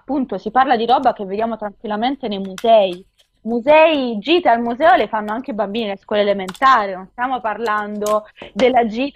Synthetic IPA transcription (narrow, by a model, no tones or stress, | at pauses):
pːunt̪osiparlad̪iɾɔːbak̟evːed̪jaːmot̪ɾaŋkwilːament̪enejmuzɛi | muzɛːid͡ʒiːt̪almuzɛːolefanːoaŋk̟eibambiːnileskwɔːleːlement̪aːɾenonst̪jaːmoparland̪od̪elːad͡ʒiːt̪